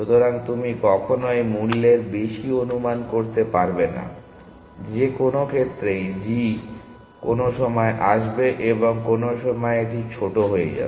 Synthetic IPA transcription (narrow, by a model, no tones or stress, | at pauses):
ʃut̪ʰoɾaŋt̪umikɔkʰonoemulːeɾbeʃionumankoɾt̪epaɾbena̰ | d͡ʑekonokʰet̪ːɾejd͡ʑi | konoʃɔmɔeʔaʃbeʔeboŋkonoʃɔmɔeeʈit͡ɕʰoʈoɦoḛd͡ʑa̰be